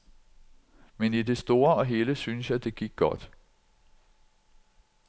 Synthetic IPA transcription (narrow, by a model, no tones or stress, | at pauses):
menid̥e̝sd̥o̝ːɐɒ̽ɦe̝ːləsynsjɑ̈ɪd̥e̝ɡ̥iɡ̥̚ɡ̥ːɒ̽d̥